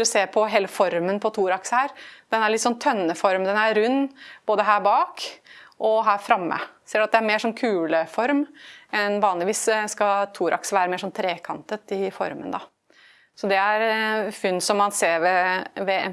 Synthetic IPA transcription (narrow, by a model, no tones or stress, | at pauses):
ɾɔseːpʰɔɦeːləfɔɾmənpʰɔt̪ʰuːɾɑksəhæːɾd̪̥ɛnæɾɭɪt̪sɔnt̪ʰœnːəfɔɾmd̪ɛnæɾʉnːb̥oːd̪əɦæːbɑːkʔɔɦæːɾfɾɑmːə̰seːɖʉɑt̪d̪ɛæɾmeːʂɔnkʰʉːləfɔɾmɛnʋɑːnlɪʋiːsskɑt̪ʰuːɾʔɑ̰ksəʋæːɾəmeːɾʂɔnt̪ʰɾeːkʰɑ̰nt̪ət̪ɪfɔ̰ɾmənd̪ɑ̰ | sɔd̪ɛæɾfʏnːsɔmːɑnseːɾʋɛʋɛ